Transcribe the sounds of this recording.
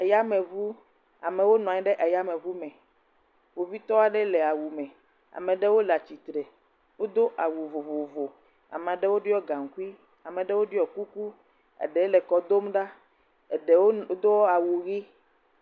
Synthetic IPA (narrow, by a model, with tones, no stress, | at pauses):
a˨ja˦mɛ̃˨vu˦ | a˨mẽ˨wo˦nɔ̃˨a˨ɲi˦ɖɛ˦ʔa˨ja˦mẽ˨vu˦mɛ̃˨ | wo˨vi˦t̪ɔ˦a˨ɖɛ˦lɛ˨a˨wu˨mɛ̃˨ | a̰˨mɛ̃˨ɖɛ˦wo˦la˨t͡ɕi˨t̪ɾɛ˨ | wo˦d̪o˦ʔa˨wu˨vo˨vo˨vo˨ | a̰˨mẽ˨ɖɛ˦wo˦ɖɔ˦ɡã˨ŋ˨ku˦i˦ | a˨mɛ̃˨ɖɛ˦wo˦ɖɔ˨ku˦ku˦ | ḛ˨ɖɛ˨˦lɛ˨kɔ˨d̪o˦mɖa˦ | e˨ɖe˨wo˦d̪o˦wɔ˦a˨wu˨ɣi˦